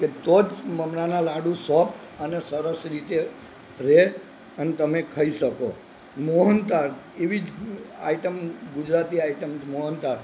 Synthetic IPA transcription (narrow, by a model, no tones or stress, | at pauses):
ket̪od͡ʒməmnanãlaɽũsɔpʈ̪ənesəɾəsɾit̪e | ɾe | ənet̪əmekʰəiʃəko | moɦənt̪aɾ | eʋid͡ʒa̰iʈəmɡʊd͡ʒɾat̪iaiʈəmd͡ʒmoɦənt̪aɾ